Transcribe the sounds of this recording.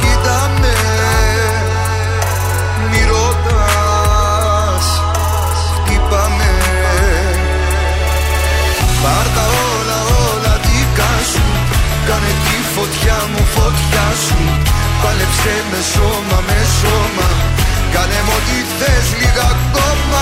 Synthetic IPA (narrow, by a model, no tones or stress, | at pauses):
kit̪ɐme | miɾot̪ɐ | s | s | kipɐme | pɐɾðɐo | lɐolɐt̪ikasu | kanet̪ifot̪çamufot̪çasupalepsemesomɐmesomɐkanemot̪iθesliɣakom